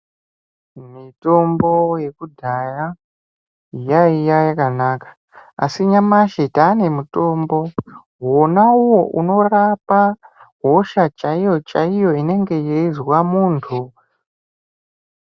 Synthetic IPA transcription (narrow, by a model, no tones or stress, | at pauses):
mito̞mbo̞je̞kudʱaja | jaijajakanakḁ | a̰siɲamaʃetaːne̞muto̞mbo̞ | wonauwo̞ʔuno̞rapa | ɦo̞ʃat͡ʃaijo̞t͡ʃaijo̞ine̞ŋɡe̞jeizwamuːntʰu